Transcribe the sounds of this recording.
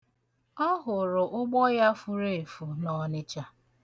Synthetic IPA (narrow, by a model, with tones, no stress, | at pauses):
ɔ˦ɦʊ˨ɾʊ˨ʔʊ˦ɡ͡bɔ˦ja˦fu˦ɾe˦˨e˨fu˨nɔ˨nɪ˦t͡ʃa˦